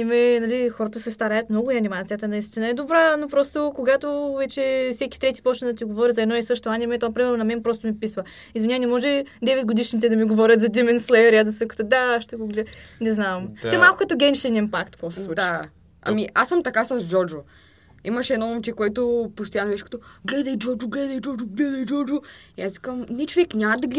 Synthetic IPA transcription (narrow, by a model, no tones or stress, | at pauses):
anʲimɛnɐlixɔɾət̪əsɛst̪ɐɾajət̪mnɔɡʊiɐnʲimat̪sijət̪ənɐist̪inaɛd̪obɾanopɾɔst̪okoɡat̪ovɛt͡ʃɛfsɛkʲi̥t̪ɾɛt̪i̥pɔt͡ʃnəd̪ɐt̪iɡovɔɾʲɐzɐɛd̪nɔɛsɤʃt̪oanʲimɛt̪ɔapɾimɛɾnʊnɐmɛnpɾɔst̪ʊmipisvə | izvɐnʲanɛmɔʒɛd̪ɛvɛd̪̚ɡod̪iʃnit̪ɛd̪ɐmiɡovɔɾʲət̪zɐd̪imɛnslˠɛɛɾiazɐsəko̥t̪od̪aʃt̪ɛɡoɡlʲɛnɛznavɐmt̪ɛmalˠkʊkɐt̪oɡʲɛnʃɛnɛnpakt̪kosɛsslud̪t͡ʃa | ɐ̰miʔasːɐmt̪ɐkasɐzd͡ʒɔɾd͡ʒo | imɐʃɛd̪nɔmomt͡ʃɛkoɛt̪ʊpost̪ojanovɛʃkɐt̪ɔɡlɛd̪əjd͡ʒɔɾd͡ʒoɡlɛd̪ɐjd͡ʒɔɾd͡ʒʊɡlɛd̪ɐjd͡ʒɔɾd͡ʒoiasvi̥kəmnɛt͡ʃovɛknʲamɐd̪ɐɡlɛ